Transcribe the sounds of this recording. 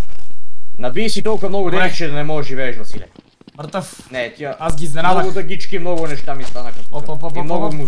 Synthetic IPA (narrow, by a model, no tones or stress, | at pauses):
nabisit̪olˠkvamnɔɡud̪ɛikt͡ʃɛd̪anɛmɔɛʒʒivɛːʃvɐsilɛ̰ | mɾt̪afnɛt̪iaasɡiznɛnaɡut̪aɡit͡ʃkimnɔɡunɛʃt̪amist̪anakaimnɔɡumu